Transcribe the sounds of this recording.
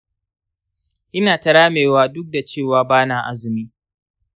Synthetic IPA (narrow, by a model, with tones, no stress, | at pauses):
ʔɪ˦naː˨tɐ˨ɾaː˦meː˨waː˦dʊ˦k̚da˨t͡ʃeː˦˨waː˦baː˦naː˨ʔa˦zɪ˨miː˦